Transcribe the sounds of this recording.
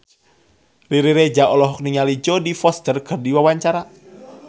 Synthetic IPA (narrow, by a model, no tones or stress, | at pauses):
riɾiɾed͡ʒaɔlɔɦɔk̚niŋalid͡ʒɔdifɔst̪ərɡ̥ərdiwawaɲt͡ʃaɾa